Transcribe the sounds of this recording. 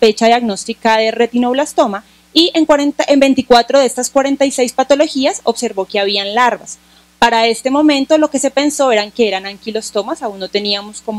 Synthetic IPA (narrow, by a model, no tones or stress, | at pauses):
fet͡ʃaðjaɡno̞st̪ikaðe̞re̞t̪inoβlast̪o̞ma | ieŋkwaɾent̪ʔembe̞nt̪ikwat̪ɾoðeest̪askwaɾe̞nt̪ajse̞jspat̪o̞lo̞xiaso̞βse̞ɾbo̞keaβianlaɾβas | paɾae̞st̪e̞mõ̞mẽ̞nt̪o̞lo̞ke̞se̞pe̞nso̞e̞ɾaŋke̞eɾanaŋkilost̪o̞masaunːot̪e̞niamo̞skom